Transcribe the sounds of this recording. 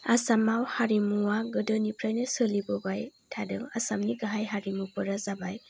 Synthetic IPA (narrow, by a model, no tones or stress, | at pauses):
asamawhaɾimuwaɡɯdɯnipɾajnɯsɯlibɔbajtʰadɯŋa̰samniɡaɦajɦaɾimupɔɾazabaj